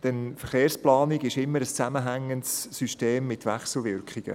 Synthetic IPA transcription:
d̥ɛnfəɾχeːrsplɑːniɡɪʃɪmːəɾəst͡sæməɦæŋːəntsːyʃteːmːɪtʋɛχsl̩ˠvɪrkχɪɡ̥ə̰

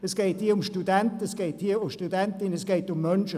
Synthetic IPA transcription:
əsɡ̥eɪt̚hiːɐʊmʃtudɛntəsɡ̥eːthiːɐʊmʃtudɛntɪnəsɡ̥eːtʊmːœnʃə

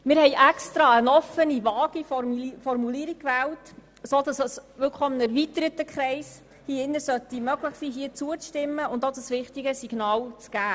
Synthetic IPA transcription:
mɪːɾhɛɪʔɛkst̪ɾɑənɔfənivɑːɡ̥ifɔrmuliəɾik̚kʋæːlt | sodɑsəsʋɪlkχɔmnæɾvit̪əɾətəkχɾɛɪs | hiɪnːəsœt̪imœɡləχsiːɦiət͡suət͡sʃtɪmːəʊndod̥əsʋɪχtiɡəsiɡ̥nɑːlt͡sɡ̥æː

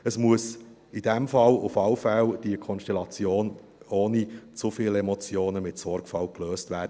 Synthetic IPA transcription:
əsmuəs | id̥ɛmfɑlʊfɑwfɛld̥iəkʰɔnʃtɛlɑt͡sjoːn | oːnit͡sufiːlɛmɔt͡sjoːnəmɪtsɔɾkfɑlkløːstvæːɾdə

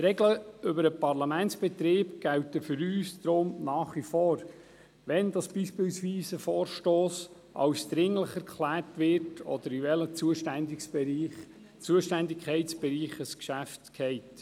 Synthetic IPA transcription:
ɾɛɡləʏbəɾəpɑɾlɑmæntsb̥ɛt̪ɾɪːbɡ̥æwtəfʏɾyːsd̪ɾʊmnɑːχʋifoːɾ | ʋɛndɑsb̥iːʃpɪlsʋiːsəfɔːɾʃtoːs | ʔɑ̰wsd̪̥ɾɪŋləχɛɾkʰχlæːrtʋɪɾtʰɔ̰d̪əɾiʋɛləuəd | t͡suəʃtændɪkʰɛɪsb̥ɛɾiːχəskʃæftkʰɛɪt

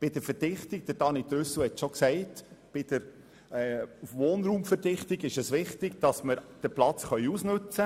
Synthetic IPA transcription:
b̥ɪd̥əɾfəɾd̥ɪχtɪɡ̚d̥əɾd̥ɑnid̪ɾʏsʊhɛtʃoksɛɪtb̥ɪd̥əɾ | ɛːʋoːnɾuːmfəɾdɪχtɪɡɪʃəsʋɪχtɪɡd̥ɑsməɾd̥əɾplɑt͡sχœʏusnɵt͡sə

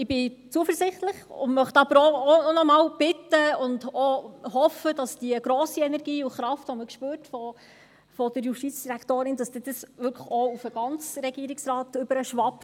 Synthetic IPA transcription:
ɪbɪt͡suəfəɾzɪχt̪ləχʊ̰nmœχtɑb̥əɾɔːnɔmɑːwb̥ɪtːəʊndɔhɔfədɑsd̥iəɡ̥ɾɔːsiɛnɛɾɡiːuχɾɑftʋɔməkʃpøːtfɔ | fɔdəɾjuʃtiːt͡sd̥iɾæktoːɾɪnd̥ɑsd̥̪ɪd̥̪əsʋʏɾkʰəχɔufəɡ̥ɑnt͡sɾɛɡiəɾɪksrɑːtʏbəɾəʃʋɑp

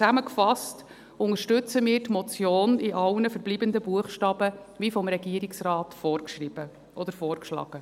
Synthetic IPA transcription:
t͡sæməkfɑst | ʊŋəʃtɵt͡səmiːɾtmɔt͡sjoːniʔɑlnəfəɾb̥liːb̥ənd̪əbuəχʃtɑːb̥ə | ʋifɔmɾɛɡ̥iəɾiksrɑːtfɔːrkʃrib̥ə | ʔɔd̪əɾfɔːrkʃlɑ̰ːɡ̥ə

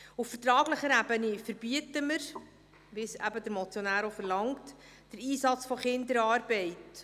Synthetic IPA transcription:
uffərtɾɑːɡləχəɾæbənifəɾb̥iətəməɾ | ʋɪsæ̰bədəɾmɔt͡sjonæːɾofəɾlɑŋt | d̥əɾiːsɑt͡sfɔχɪndəɾɑːɾbɛɪt

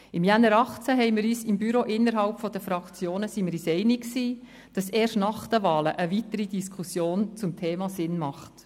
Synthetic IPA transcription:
ɪmjænːəɾɑχt͡sæɦɛɪmɪɾyːsɪmbyɾoʔɪnːəɾɦɑlpfɔd̥əfɾɑkt͡sjoːnəsimɪɾisɛɪnɪksiː | d̥ɑseːrʃtnɑχd̥əʋɑːləʔəvitəɾidiskʰχusjoːnt͡sʊmtʰeːmɑsɪnmɑχt

